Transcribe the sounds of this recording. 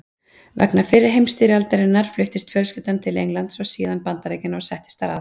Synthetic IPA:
vɛ̰knafɪɾːɪ̥ɦejmst̪iːɾɪalt̪ɛɾɪnːaɾ̥flʏht̪ɪst̪fjœlscɪt̪ant̪ʰɪlḛjŋlant̪sɔɣsiːðanpant̪aɾeːjcɪnɔɣsɛht̪ɪ̥st̪aɾa̰ð

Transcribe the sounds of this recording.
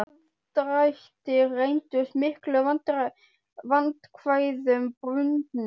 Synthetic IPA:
n | t̪ɾajht̪ɪrejnt̪ʏsmɪhklʏvant̪ɾ | vant̪kʰvaːjðʏmpɾʏnt̪n

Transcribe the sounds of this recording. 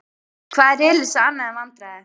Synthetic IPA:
kʰvaːɛɾelɪsaanːaɛmant̪ɾaɛ

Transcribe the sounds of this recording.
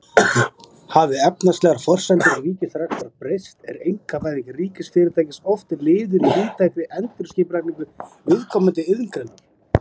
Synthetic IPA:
havɪɛpnast̪lɛɣaɾ̥fɔr̥sajnt̪ɪriːcɪθɾaxt̪aðpɾejst̪ɛ̰ɾejŋkapaːjðicɪriːcɪsfɪɾɪɾt̪aːjcɪsɔft̪ɪɾlɪːðʏɾviːt̪ʰaːjkɪʔɛnt̪ʏɾ̥scɪːpɾakniŋkʏvɪðkʰɔːmant̪ɪʏðŋkɾɛnːʏm

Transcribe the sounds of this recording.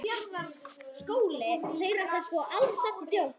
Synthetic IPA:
skoːwlɪl̥eːjɾaɾ̥θaskɔʔalsat̪t̪joːw

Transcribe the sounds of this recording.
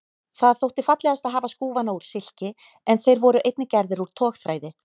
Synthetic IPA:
θaðθowht̪ɪfat̪lɛɣast̪aðɦaːvaskuːvanauɾ̥sɪl̥cɪ | ɛnθejɾvɔɾʏʔejt̪̚nɪcɛɾðɪɾuɾ̥t̪ʰɔːxθɾaːjðɪ

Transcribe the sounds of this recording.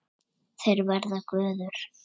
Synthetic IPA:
θejɾvaɾðakvœːðʏɾ̥

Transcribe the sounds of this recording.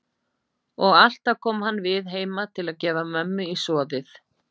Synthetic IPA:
ɔɣal̥t̪akʰɔːmhanːvɪðɦeːjmat̪ʰɪlaðcɛːvamœmːʏisɔːðɪθ

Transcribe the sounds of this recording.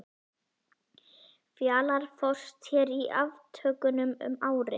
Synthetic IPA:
fjaːlaɾ̥fɔ̥st̪çɛɾiʔavt̪ʰœːkʏnʏmʏ̰maːwɾɪ

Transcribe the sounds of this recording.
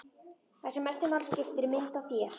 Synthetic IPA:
θɛsɛmɛst̪ɪmaːlscɪft̪ɪɾmɪnt̪awθjɛɾ̥

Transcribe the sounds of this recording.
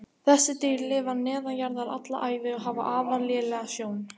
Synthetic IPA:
θɛsːɪt̪iːɾlɪːvanɛːðajaɾðaða̰t̪la̰ʔaːjvɪɔɦaːva̰ʔaːvaɾljɛːlɛːɣasjoːwn

